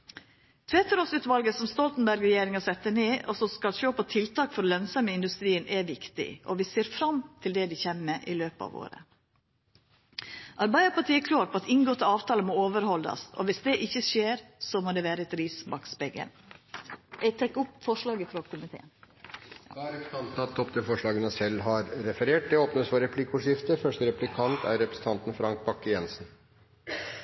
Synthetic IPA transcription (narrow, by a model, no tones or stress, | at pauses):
t̪ʰʋɛt̪əɾoːsʉːt̪ʋɑlɡəsɔmst̪ɔlt̪n̩bæɾɡɾɛjeːɾɪŋɑsɛt̪ːəneːʔɔsɔskɑlʃoːpʰɔt̪ʰɪlt̪ʰɑːkfɔɾlœnsɑməɪnd̪ʉst̪ɾiːənʔɛʋɪkt̪ɪ̰ʔɔ̰ʋɪseːɾfɾɑmt̪ʰɪld̪ɛd̪ɪçɛmməʔɪløːpɑ̰ʋo̰ːɾə̰ | ʔɑɾbɑɪɑpɑʈʰiːɛkʰlɑːɾʈpʰɔɑt̪ɪŋɡoːt̪ʰəɑːʋt̪ʰɑːləmɔoːʋəɾhɔld̪ɑ̰sɔ̰ʋɪsd̪ɛʔɪçəʃeːɾsɔmoːd̪ɛːʋæːɾəɛt̪ɾiːsbɑksbɛɡə̰n | jɛɡt̪ʰɑkːʊpfɔʂɭɑːɡəfɾɔkʰʊmɪt̪ʰḛːn | ɑæɾɛk̪ɑnt̪ɑt̪ʰːɔpt̪ʰɪlfɔʂɭɑːɡənəsɛlːɦɑɾɾɛfəɾeːʈ̚d̪ɛoːpnəsfɔɾɛpʰlikʊʂɪft̪əfœʂʈəɾɛplɪkʰɑnt̪ʰæ̰ɾɛpɾɛsn̩t̪ʰɑnt̪n̩fɾɑŋk̚bɑkːəjɛnsn